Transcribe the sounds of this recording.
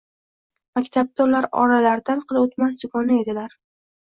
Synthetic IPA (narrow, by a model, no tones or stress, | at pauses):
makʲt̪ʰab̚d̪aulaɾɒ̰ɾalaɾd̪anqʰɨlˠot̪mas̬d̪ʊkʰɒnae̞d̪ɪlaɾ